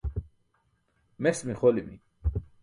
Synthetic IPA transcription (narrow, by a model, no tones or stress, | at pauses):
mesmixolimḭ